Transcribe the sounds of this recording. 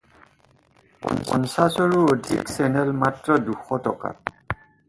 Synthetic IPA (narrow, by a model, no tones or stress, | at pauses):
ppɔ̰nsasoɹuodʱḭksɛnɛlmatɹɔduxɔtɔka̰t̚